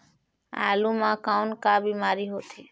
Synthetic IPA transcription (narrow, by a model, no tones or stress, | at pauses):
a̰ːlũmãːkaʊnkaːbiːmaːɾiɦoːt̪ʰi